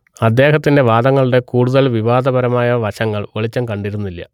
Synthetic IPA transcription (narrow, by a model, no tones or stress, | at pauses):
ɐd̪ːe̞ːɦɐt̪ːinde̞ʋaːd̪ɐŋːɐɭiɽe̞kuːɽuðɐlʋiʋaːd̪ɐbɐɾɐmaːjɐʋɐɕɐŋːɐɭʋeɭit͡ɕːɐmkɐɳɖiɾunːilːɐ̰